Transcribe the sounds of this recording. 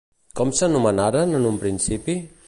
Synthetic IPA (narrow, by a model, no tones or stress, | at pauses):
kɔmsənumənaɾanənumpɾinsipi